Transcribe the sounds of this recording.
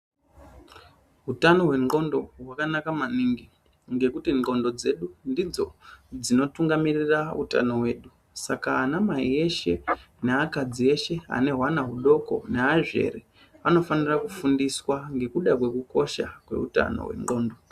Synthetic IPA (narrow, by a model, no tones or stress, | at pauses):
ɦutano̞ɦwe̞ŋ͡ǃɡo̞ndo̞ɦwakanakamaniːŋɡi | ŋɡe̞kutiŋo̞ndo̞d͡ze̞ɗundid͡zo̞̰d͡zino̞tuŋɡamiriraṵta̰no̞ɦwe̞ːɗu | sakaːnamaie̞ʃe̞ | neakad͡zie̞ʃe̞a̰ne̞ɦwanaɦuɗo̞ko̞̰neaʐe̞̰ri | ano̞fanirakufundiswaŋɡe̞kuɗakwe̞kuko̞ʃa̰kwe̞̰ṵta̰no̞̰wḛŋ͡ǃɡo̞ːndo̞